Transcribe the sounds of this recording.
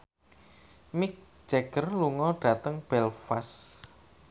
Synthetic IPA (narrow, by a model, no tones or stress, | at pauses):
mik̚ | d͡ʒɛɡərluŋɔɖ̥ä̤t̪əŋb̥ɛlfas